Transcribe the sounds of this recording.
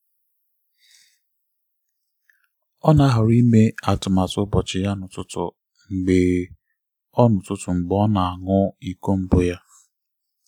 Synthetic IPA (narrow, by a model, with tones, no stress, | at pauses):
ɔ˦na˦ɦʊ˨ɾi˦me˦a˨tʊ˨ma˨tʊ˦bɔ˨t͡ʃɪ˨ja˦nʊ˨tʊ˦tʊ̰˨ | ŋ͡m̩˨ɡ͡be˨ | ɔ˦nʊ˨tʊ˦tʊ˨ŋ͡m̩˨ɡ͡bɔ˦na˨a˨ŋʊ˦i˦ko˦m̩˦bʊ˦ja˦